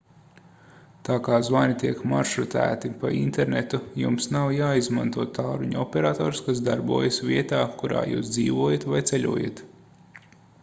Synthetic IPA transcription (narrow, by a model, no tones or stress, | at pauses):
t̪aːkaːzvaːnit̪iɛkma̰ɾʃɾut̪æ̰ːt̪ipa̰ḭnt̪ɛɾnet̪ujumsnawjaːizma̰nt̪uɔt̪aːɾuɲuɔpʲɛɾaːt̪ɔːɾskas̬d̪aɾbṵɔjasvʲiɛt̪aːkuɾa̰ːjṵːsd̪ziːʋuɔjat̪vajt̪seʎʲṵɔja̰t̪